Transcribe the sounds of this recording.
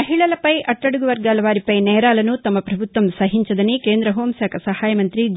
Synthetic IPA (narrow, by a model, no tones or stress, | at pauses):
ɐɦiɭɐlɐpɐjʔɐʈːɐɽuɡuʋɐɾɡaːlɐʋaːɾipɐjnɛːɾaːlɐnut̪ɐmːɐpɾɐbʱut̪ːʋɐmsɐɦiɲt͡ʃɐd̪ɐnikeːnd̪ɾɐɦoːmsaːkʰɐsɐhaːjɐmɐnt̪ɾid͡ʒ